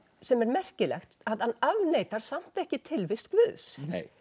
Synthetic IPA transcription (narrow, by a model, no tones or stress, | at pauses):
sɛmɛɾmɛr̥cɪlɛ̰xt̪aðhanːavneːjt̪aɾ̥sam̥t̪ɛhcɪt̪ʰɪlvɪst̪kvʏðsnḛj